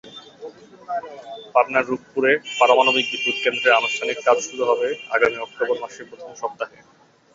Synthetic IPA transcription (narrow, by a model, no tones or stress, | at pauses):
paɾnaɾːub̚puɾepaɾomanobik̚bit̪uɾkend̪ɾeɾanoʃtʰaniɾkad͡ʑʃuɾuɦɔbea̰ɡamiɔk̚t̪oboɾmaʃepɾot̪ʰomʃɔp̚t̪aɦe